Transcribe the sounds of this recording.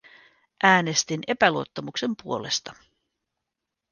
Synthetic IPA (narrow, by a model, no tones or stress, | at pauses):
ʔæːne̞st̪ine̞pæluo̞t̪ːɑmukse̞mpuo̞̰le̞st̪ɑ